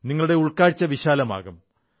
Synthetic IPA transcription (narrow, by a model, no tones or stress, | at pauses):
niŋːɐɭuɽe̞uɭkaːɻit͡ɕːɐʋiɕaːlɐma̰ːɣɐm